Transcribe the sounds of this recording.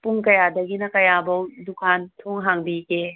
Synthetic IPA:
puŋkɐjadɐɡinɐkɐjabɐwdukʰantʰoŋɦaŋbike

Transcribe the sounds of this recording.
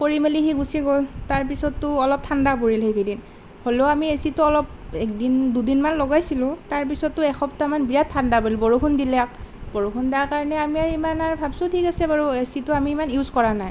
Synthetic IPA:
poɹimelixiɡusiɡoltaɹp̬isɔtːʊɔlɔp̚tʰandapoɹilɦekʰidin | holoʊamiesitʊɔlɔp̚ɛk̚dindudinmanlɔɡajsilʊ̃taɹp̬isɔtːʊɛxɔptamanbijattʰːandapoɹilbɔɹukʰundilak̚bɔɹukʰundiakaɹɔnɛamiaɹimanaɹbʱabsʊtʰikasɛbaɹuesitʊamiːmanjuzkɔɹanaj

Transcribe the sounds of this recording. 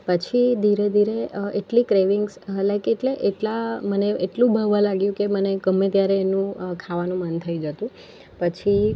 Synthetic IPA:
pət͡ʃʰid̪ʱiɾed̪ʱiɾeeʈlikɾeʋɪŋɡsəlajkeʈleʔeʈlaməneeʈlũbʱəɡʋãlaɡjũkeməneɡəmːẽt̪jaɾeːnũkʰaʋanũmənt̪ʰəid͡ʒət̪ũ | pət͡ʃʰi

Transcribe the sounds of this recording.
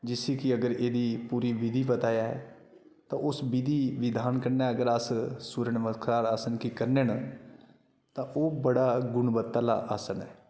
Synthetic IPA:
d͡ʒɪsikiəɡəɾeːd̪iːpuːɾiːʋɪd̪ʱiːbət̪aːjaːɦɛ̰ː | t̪ãːʔʊsbɪd̪ʱiːʋɪd̪ʱaːnkəɾnãəɡəɾassuːɾəɳmət̪kʰaːɾaːsənkikəɾnen | t̪ãːʔoːbəɽaːɡʊɳbət̪ːaːla̰ːʔaːsənɛː

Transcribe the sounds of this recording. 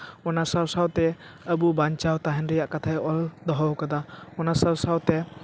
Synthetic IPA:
ɔnasawsawt̪ɛəbubaɲt͡ʃawt̪aɦɛnɾɛjaʔkat̪ʰajɔld̪ɔɦɔwkad̪aɔnasawsawt̪ɛ

